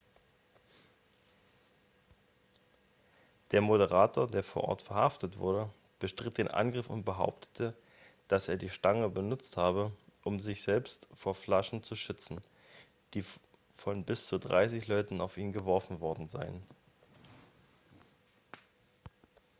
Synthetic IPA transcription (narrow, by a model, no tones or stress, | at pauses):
d̥eːɐmoɾəʁaːtʰoːɐdeːɐfoːɐʔɔ̰ɐtfɛɐhaftətv̥ʊ̰ɐdə | b̥əʃtʁ̥ɪt̚d̥eːnʔa̰nɡʁɪfʊ̰nt̚b̥əɦa̰ʊp̚tʰə̥tʰə | d̥aseːɐdiːʃtaŋəbənʊt͡sthaːβəʔʊmzɪçz̥ɛlpstfoːɐflaʃn̩t͡suʃʏt͡sn̩ | d̥iː | fɔnbɪst͡sudʁa̰ɪsɪçlɔʏtn̩aʊfʔiːnɡəvɔɐfn̩vɔɐdn̩za̰ɪən